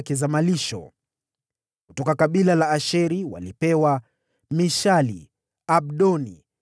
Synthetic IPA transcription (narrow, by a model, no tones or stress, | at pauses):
kɛzamaliʃɔ̰ | kutɔkakaɓilalaːʃɛɾiwa̰lipɛwa | miʃalḭ | aɓ̚ɗɔnḭ